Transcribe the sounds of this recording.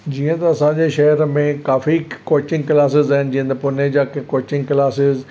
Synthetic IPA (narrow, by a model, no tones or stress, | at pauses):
d͡ʑiːə̃t̪ɐɐsãɲd͡ʑeʃɐɦəɾmẽkaːfikoːt͡ɕɪ̃ŋɡkɪlaːs̬ɪzaːɪnd͡ʑĩːə̃nt̪d̪ɐpʊned͡ʑaːkkoːt͡ɕɪ̃ŋɡklaːsɪz